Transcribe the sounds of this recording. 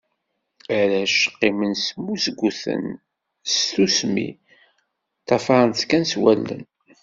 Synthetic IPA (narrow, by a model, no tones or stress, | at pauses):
æɾæʃə̥qːimənsmːusɡʷuθə̰n | st̪usmḭ | t̪ːɑfɑɾˤənt̪kænswælːə̰n